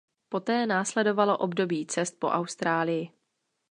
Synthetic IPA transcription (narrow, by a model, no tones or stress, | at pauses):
po̞t̪ɛːnaːslɛdo̞valo̞ʔobdo̞biːt͡sɛst̪̚po̞ʔawst̪ɾaːlɪjɪ